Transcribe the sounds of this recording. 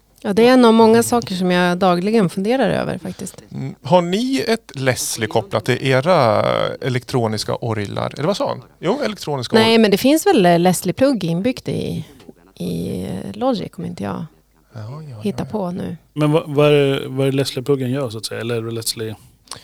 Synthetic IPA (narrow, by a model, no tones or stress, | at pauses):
jɑːd̪ɛɛnːavmɔŋːasɑːkəʂɔmjɑd̪ɑːɡlɪɡənfɵnd̪eːɾaɾø̰ːvə̰ɾfak̚t̪ɪst̪haɳɪɛt̪lɛslɪkʰɔplat̪ʰːɪlʔeːɾaɛlɛkt̪ʰɾuːnɪska̰ʔɔɾla̰ɾɛlːɛvasɑːa̰n | juːɛlɛkt̪ʰɾuːnɪsknɛːmɛnd̪ɛfɪnsvɛlːɛslɪpʰlɵɡːɪnːbʏɡd̪ɪ̰ | ɪ̰lɔdɪ̰kʰɔməɾɪnt̪əjɑ̰ː | hɪt̪ːapʰɔnʉ̟̰ːmɛnvavaæɾvaæɾlɛslɪɡplɵɡːənjœːsat̪sɛjːaɛlːəæɖɛlɛslɪ